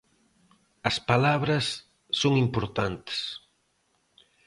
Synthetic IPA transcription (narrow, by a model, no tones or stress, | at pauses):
ɐspalaβɾɐsː | oŋimpoɾt̪ant̪e̥s